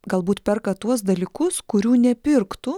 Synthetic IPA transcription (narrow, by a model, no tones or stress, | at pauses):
ɡɐlˠbuːt̪pʲɛrkɐt̪uɔs̬d̪ɐlʲiːkʊskʊɾʲuːnʲɛpʲɪɾkt̪ʊ